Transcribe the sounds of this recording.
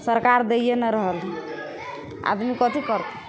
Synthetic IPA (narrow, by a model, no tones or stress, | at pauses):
səɾkaɾd̪eijenəɾəɦəl | a̰d̪mikət̪ikəɾt̪e